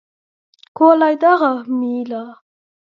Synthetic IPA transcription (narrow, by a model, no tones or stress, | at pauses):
kʰolɑjd̪ɑʁəmila